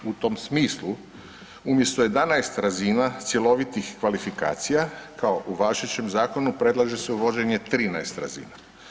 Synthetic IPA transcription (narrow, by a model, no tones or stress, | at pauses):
ut̪o̞msmiːslu | umje̞st̪oje̞d̪anaest̪ɾazinat̪sje̞lo̞ʋit̪ixkʋalifika̰ːt̪sijakao̞ʔuʋaʃet͡ɕe̞mzaːko̞nupɾe̞d̪laʒese̞uʋo̞d͡ʑe̞ɲe̞t̪ɾiːnaest̪ɾa̰zḭːna